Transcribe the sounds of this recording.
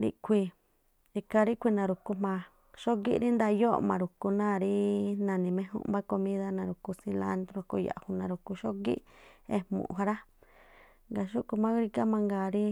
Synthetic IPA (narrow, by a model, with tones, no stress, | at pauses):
ɾḭ˧kʷʰi˧ | i˧ka˧ɾi˦kʷi˧nã˨˧ɾu˨ku˧mã˧ | ʃo˦ɡḭ˦ʔɾi˦nd̪a˧jo˦˨mã̰˨ɾu˨ku˧nãː˦˨ɾi˦nã˧˨nĩ˨mẽ˧˦ɦṵ̃˦ʔmba˦ko˧mĩ˦ða˦nã˧ɾu˨ku˧sĩ˧la̰˧˦nd̪ɾo˧ko˧ja̰˨hu˧nã˨ɾu˨ku˧ʃo˦ɡḭ˦ʔe˧hmṵ̃˧˨˧ɦa˧ɾa˦ | ŋɡa˨ʃu˦ku˧mã˦ɡɾi˧ka˦mã˧ŋɡaː˨ɾi˦